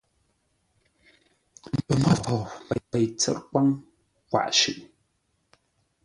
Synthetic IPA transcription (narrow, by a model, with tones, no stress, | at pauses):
m̩˨pə˨mə˦fo˨wpɛ˨pə˨jt͡sə̰˨ɾkwa˦ŋ | kwa̰˨ʔʃʉ˨ʔ